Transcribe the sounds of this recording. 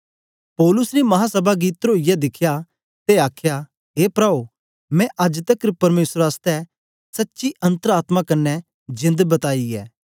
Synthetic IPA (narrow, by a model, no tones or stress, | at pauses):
pɔːlʊsnimɐɦãsɐbaɡiːt̪ɾoːijɛd̪ɪkʰja | t̪eaːkʰja | ɦeːpɾaːo | mɛ̃ʔɐd͡ʒt̪ɐkɾpɐɾmeːsɾaːst̪ɛ | sɐtːʃiʔɐ̃nt̪əɾaːt̪makɐnːɛ | d͡ʒɪ̃nd̪bɐt̪aːiɛ̰ː